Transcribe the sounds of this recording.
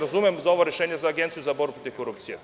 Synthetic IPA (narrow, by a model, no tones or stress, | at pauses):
ɾazumɛmzaoʋoɾeʃeːɲezaːɡʲent̪sijuzaboɾbupɾot̪ifkoɾupt̪sijɛ